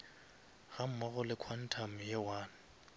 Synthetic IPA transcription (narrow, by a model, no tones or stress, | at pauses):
ɣam̩mɔɣʊlɪkʰwan̩tʰam̩jewaːnʊ